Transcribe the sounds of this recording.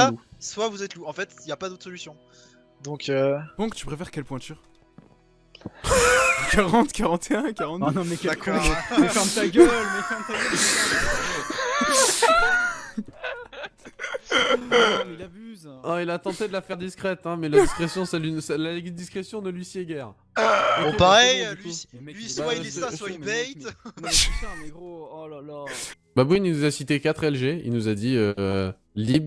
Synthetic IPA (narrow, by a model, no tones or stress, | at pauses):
aswavuzɛt̪luɑ̃fɛt̪iljapad̪ot̪χsɔlysjɔ̃ | d̪ɔ̃kʰøb̥ɔ̃kt̪y̥pχefɛʁkʲɛlpwɛ̃t̪yʁ | kaʁɑ̃t̪kʲaʁɑ̃t̪ʰeɛ̃kaʁɑ̃t̪nɔ̃mɛkaefɛ̃t̪aɡølmɛkɑ̃t̪a | byzɔ̃ilat̪ɑ̃t̪ed̪əlafɛʁd̪iskχɛt̪ɛ̃mɛlad̪iskχesjɔ̃salynsalad̪iskχesjɔ̃nəlɥisiɛɡɛʁ̃ | paʁɛjllɥiswaiãswaibɛjt̪ | l | babuinunuzasit̪ekat̪χɛlʒeḭlnuzad̪iø | lib